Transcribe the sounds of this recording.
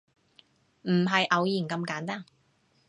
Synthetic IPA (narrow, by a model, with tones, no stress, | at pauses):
m̩˨˩ɦɐ˨jʔɐ˨˧wjiː˨˩nkɐ˧mkaː˨˥nt̪aː˥n